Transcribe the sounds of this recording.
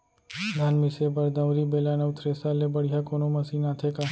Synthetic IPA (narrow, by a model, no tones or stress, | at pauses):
d̪ʱanmɪseːbəɾd̪əʋɾiːbeːlaːneʋʊt̪ʰɾeːsaːlebəɽ̤ɪjaːkoːnoːməsiːnaːt̪ʰeːkaː